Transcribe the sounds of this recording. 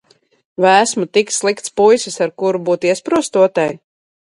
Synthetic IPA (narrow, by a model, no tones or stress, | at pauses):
væːsmut̪ikslˠikt̪spujsɨsaɾkuɾubuːt̪iɛspɾuɔst̪uɔt̪aj